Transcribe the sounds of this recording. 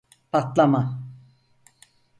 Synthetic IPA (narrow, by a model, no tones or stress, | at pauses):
pʰat̪lama